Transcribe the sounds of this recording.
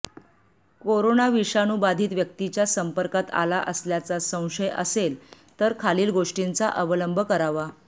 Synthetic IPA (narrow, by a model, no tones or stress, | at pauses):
koɾonaʋiʂanubad̪ʱiːt̪ʋjək̚t̪it͡ɕjasəmpəɾkat̪a̰laʔəsljat͡sasə̃w̃ʂəjə̰sel | t̪əɾkʰaliːlɡoʂʈint͡saʔəʋələmbʱəkəɾaʋa